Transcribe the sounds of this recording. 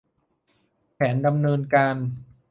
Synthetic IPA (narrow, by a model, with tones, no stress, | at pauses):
pʰɛː˩˦nda˧mnɤː˧nkaː˧n